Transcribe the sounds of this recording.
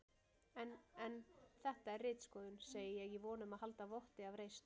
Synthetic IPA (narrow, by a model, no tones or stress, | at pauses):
ɛnɛnθɛht̪aɛrrɪːt̪skɔːðʏnseːjɪjɛɣivɔːnʏmaðhɦal̪t̪avɔht̪ɪavrejst̪